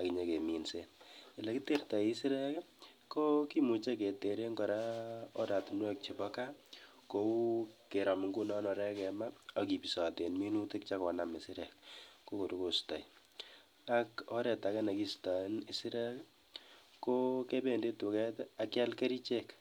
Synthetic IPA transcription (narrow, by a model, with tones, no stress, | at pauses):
a˨ki˨ɲe˨ke˨mi˨nse˦nɪ˨lɛ˨ki˦te˦rtɔ˨i˦si˦ɾɛ˦k | ko˦ki˦mu˨t͡ʃe˦ke˨te˨ɾe˦ŋkɔ˨ɾa˦ɔ˦da˨tu˨nwɛ˦k̚t͡ʃe˨bɔka˦ | ko˦u˦ke˨ɾɔ˨m˨ŋɡu˦nɔ˦nɔ˨ɾɛ˦kɛ˨ma˦ɔ˦ki˨pi˨sɔ˨te˨nmi˦nu˦tɪ˦k̚t͡ʃa˦kɔ˨na˨me˨sɪ˦ɾɛ̰˨k̚ko˦ko˨tuko˨stɔ˨i | akɔ˦ɾɛ˨ta˨kɛ˦na˨ki˦stɔ˨˦ni˦si˦ɾɛ˦k | ko˦ke˦be˨nde˦tu˨kɛ˦ta˨kja˦lke˦ɾi˦t͡ʃe˦k